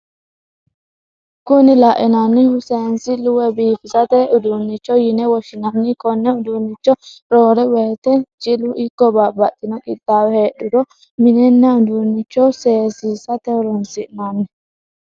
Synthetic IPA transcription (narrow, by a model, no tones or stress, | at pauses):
kʊnɪlaʔɛnanːɪhʊseːnsɪlʊwɛbiːfɪsɐt̪ɛʊd̪unːɪt͡ʃːɔjɪnɛwɔʃɪnɐnːɪkɔnːɛʊd̪unːɪt͡ʃːɔɾoːɾɛwɛt̪ɛt͡ʃʼɪlʊʔɪkːɔbabɐt̪ːɪnɔkʼɪd̪ːaːwɛheːɗʊd̪ɔ | mɪnɛnːɐʊd̪unːɪt͡ʃːɔseːsiːsɐt̪ɛʊɾɔnsɪʔnanːɛ